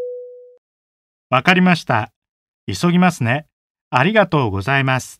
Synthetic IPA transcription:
βakaɾʲimaɕi̥t̪a̰ | iso̞ɡʲimasɨne̞ | aɾʲiɡat̪o̞ːɡo̞zaimasɨ̥

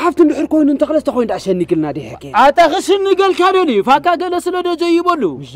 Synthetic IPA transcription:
ħaft̪ʰɨnd̪ɨħɨɾko̞jnunt̪ʰɐxlɐzɨt̪ʰɐxojnd̪aʃɐnːiɡɨlnad̪eħɐkʼːeat̪ʼaxɨʃɨnːɨɡɐlkʰad̪ɐlifakːaɡɐlɐsɨlɐd̪ɐd͡ʒɐjubɐlːu

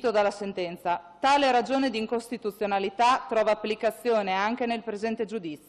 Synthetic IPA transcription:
t̪od̪alːasent̪ɛnt̪sat̪aːleɾad͡ʒoːned̪iːŋkost̪it̪ut̪sːjonalit̪at̪ːɾɔːvaːpːlikat̪sːjoːneaŋk̟enelpɾezɛnt̪ed͡ʒud̪it̪so

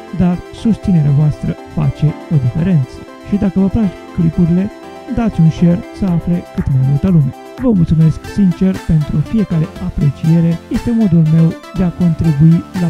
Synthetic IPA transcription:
d̪arsust̪sine̞ɾeavoast̪ɾə | fa̰t͡ʃe̞o̞d̪ife̞̰ɾe̞nt̪sə̥ | ʃid̪akəvəplak | klipuɾile̞ | d̪at̪sʲunʃe̞rsəafle̞kɨt̪majmult̪əlume | vəmult̪sume̞sksint͡ʃe̞rpe̞nt̪ɾufije̞kaɾe̞apɾe̞t͡ʃije̞ɾe̞je̞st̪e̞mo̞d̪ulme̞wd̪e̞ako̞nt̪ɾibuila

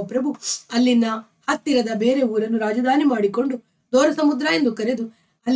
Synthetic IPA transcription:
ɐpɾɐbʱuɐlːinːɐ | hɐt̪ːiɾɐd̪ɐbe̞ːɾe̞uːɾɐnːuɾaːd͡ʒɐd̪ʱaːnimaːɽiko̞ɳɖu | d̪ɔːɾɐsɐmud̪ɾaːje̞nd̪ukɐɾe̞d̪u | ɐlː

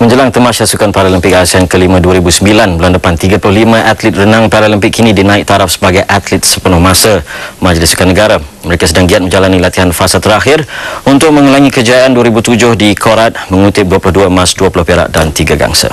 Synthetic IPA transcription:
mə̃ɲd͡ʒəlaŋt̪əmaʃasukanpaɾaləmpɪk̚asiankəlimãduaɾibusəmbilanbəlandəpant̪iɡapulʊhlimə̃ʔat̪lit̪̚rənãŋpaɾaləmpɪkʰːinĩdinãɪk̚t̪aɾap̚sə̥baɡajʔat̪lɪt̪̚səpənʊhmãsamad͡ʒlɪsukanːəɡaɾaməɾekasədaŋɡiat̪̚mə̃ɲd͡ʒalanilat̪iɦanfasat̪əɾaxɪrunt̪ʊk̚mə̃ŋulaŋikəd͡ʒaʔanduaɾibut̪ud͡ʒʊhdikʰoɾat̪̚mə̃ŋut̪ɪp̚duəpulʊhduamasduapulʊhpeɾa̰ʔdant̪iɡaɡa̰ŋsa̰

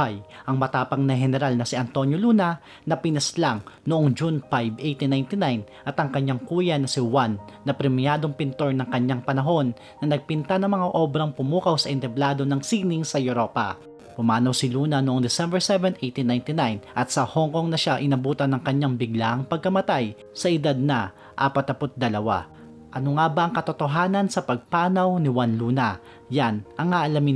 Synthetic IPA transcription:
ajʔɐŋmɐt̪aːpɐŋnɐɦɛnɛɾalnɐsɪɐnt̪o̞njoluːnɐ | nɐpɪnɐslaŋnoʔoŋd͡ʒunfajbʔejt̪inajnt̪ɪnajn | ʔɐt̪ɐŋkɐɲːaŋkuːjɐnɐsɪwanːɐpɾɛmɪjaːd̪o̞ŋpɪnt̪o̞ɹnɐŋkɐɲːaŋpɐnɐɦo̞nːɐnɐɡ̚pɪnt̪anɐŋmɐŋaʔo̞bɾɐŋpʊmuːkɐwsɐʔɪnt̪ɛblaːd̪o̞nɐŋsiɡ̚nɪŋsɐjʊɾo̞ːpɐ̰ | pʊmaːnɐwsɪluːnɐnoʔoŋd̪ɛsɛmbɛɹsɛvɛnʔejt̪inːajnt̪ɪnajnʔɐt̪sɐhoŋko̞ŋnɐʃaʔɪnɐbuːt̪ɐnːɐŋkɐɲaŋbɪɡlaʔɐŋpɐɡ̚kɐmɐt̪aj | sɐʔɪd̪ad̪̚nɐ | ʔaːpɐt̪̚nɐpot̪̚d̪ɐlɐwa̰ | ʔɐnoŋabaʔɐŋkɐt̪ot̪o̞ɦaːnɐnsɐpɐɡ̚paːnɐwnɪwanluːnɐ | janʔɐŋʔaʔɐlamɪ

